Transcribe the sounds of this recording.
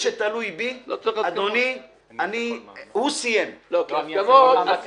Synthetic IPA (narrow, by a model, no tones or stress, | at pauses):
ʃet̪alujbiad̪oni | anihusijemlokavod̪